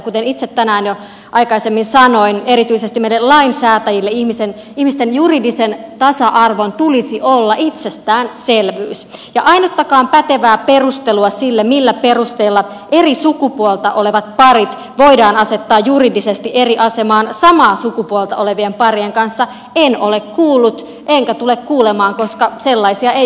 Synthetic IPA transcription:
kut̪enit̪set̪ːænæːnjo | ʔɑjkɑisemːinsɑnoine̞ɾit̪yisest̪imeilːellɑinsæːt̪æjilːeihmisen | ihmist̪enjuridisent̪ɑsɑʔɑrʋont̪ulisiʔolːɑʔit̪sest̪æːnselʋyːsjɑʔɑinot̪ːɑkɑːmpæt̪eʋæːperust̪eluɑsilːemilːæperust̪eilːɑ | ʔe̞risukupuolt̪ɑʔoleʋɑt̪̚pɑrit̪ | ʋo̞idɑːnɑse̞t̪ːɑːjjuridisest̪iʔeriʔɑse̞mɑːnsɑmɑːsukupuolt̪ɑʔole̞ʋiempɑrieŋkɑnsːɑ | eno̰lekkuːlːut̪ | ʔeŋkæt̪ulekkuːlemɑːŋko̞skɑselːɑisiɑe

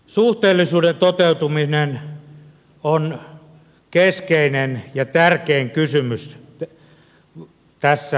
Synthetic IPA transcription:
suht̪eːlːisuːdent̪ot̪eut̪uminen | on | keskeinenjɑt̪ærkeːŋkysymys | t̪æsːæ

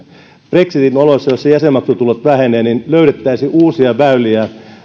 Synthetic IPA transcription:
preksit̪inolosːɑjossejæsemːɑksut̪ulot̪ʋæheneːninløyɾet̪ːæisiʔuːsiɑʋæyliæ

